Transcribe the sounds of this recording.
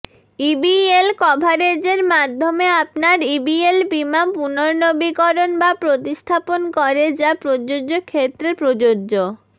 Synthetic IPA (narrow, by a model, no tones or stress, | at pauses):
ibielkɔbʱaɾed͡ʑeɾmad̪ʱːomeapnaɾibielbimapunoɾnobikɔɾonbapɾot̪ist̪ʰaponkɔɾed͡ʑapɾod͡ʑod͡ʑokʰet̪ːɾepɾod͡ʑoːo